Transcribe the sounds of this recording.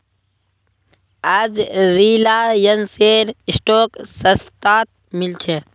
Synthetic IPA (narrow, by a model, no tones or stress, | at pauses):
ad͡ʒɾiːlaːjənseːɾɪsʈoːksəst̪aːt̪̚ | mɪlt͡ʃʰe